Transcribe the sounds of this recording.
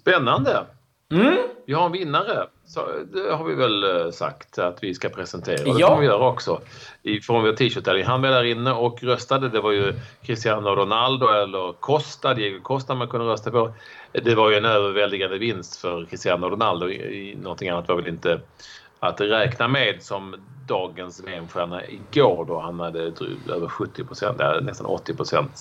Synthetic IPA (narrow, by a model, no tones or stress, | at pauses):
spɛnːand̪ə | vɪhaɾɛnvɪnːaɾə | sɔ̰d̪ɛɦaɾvɪvɛlsa̰kt̪at̪vɪskapʰɾɛsɛnt̪ʰḛːɾa̰d̪ɛfɔmavɪjœːɾaɔksɔɪfɾɔnvoːt̪ʰiːœt̪ʰːɛlːɪŋɦanveːlaɾɪnːəɔkɾœst̪ad̪əd̪ɛvaɾjɵkʰɾɪst̪ɪjanːɔɖʊnald̪ʊɛlːəɾkʰɔst̪ad̪ɛjɛkəkʰɔst̪amankʰɵnd̪əɾœst̪apɔ | d̪ɛvaɾjɵɛnøːvəɾvɛld̪ɪɡand̪əvɪnst̪fœɾkʰɾɪst̪ɪanːɔɖʊnald̪ʊ̰ɪ̰nɔnt̪ʰɪŋanːat̪vaɾvɛlɪnt̪ə | at̪ɾɛːknameːd̪sɔm | d̪ɑːɡənsveːnɧæɳaʔɪɡoːɾɖɔhanhad̪ːəd̪ɾy̰øːvəɾɧɵt̪ʰːɪpʰɾʊsɛ̰nt̪ːa̰nɛst̪a̰nʔɔ̰t̪ːɪpɾʊsɛ̰nt̪